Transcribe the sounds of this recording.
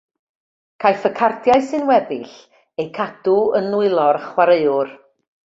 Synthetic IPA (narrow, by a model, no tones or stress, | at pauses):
kʰajfəkʰartʰjaɨsɨnwɛbɪɬ | ejkʰad̥uənlʊɨlˠɔrχwaɾeɨʊr